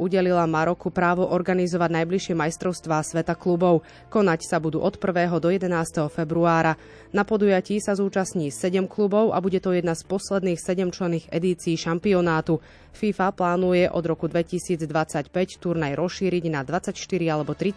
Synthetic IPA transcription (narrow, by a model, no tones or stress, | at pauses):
uɟɛlilamaɾɔkupɾaːʋɔʔɔɾɡanizɔʋaɟnajbliʃɪɛmajst̪ɾɔʊst̪ʋaːsʋɛt̪aklubɔʊ | kɔnacsabud̪ṵːʔɔt̪pr̩ʋɛːɦɔd̪ɔjɛd̪ɛnaːst̪ɛɦɔfɛbɾuaːɾa | napɔd̪ujaciːsazuːt͡ʃasɲiːsɛɟɛmklubɔʊʔa̰buɟɛt̪ɔjɛd̪naspɔslɛd̪niːxsɛɟɛmt͡ʃlɛniːɣɛ̰d̪iːt͡siːʃampiɔnaːt̪u | fiːfaplaːnujɛʔɔ̰d̪ɾɔkud̪ʋɛcisiːd͡zd̪ʋat͡sacpɛct̪uɾnajɾɔsʃiːɾiɟnad̪ʋat͡sacʃt̪iɾialɛbɔt̪ɾi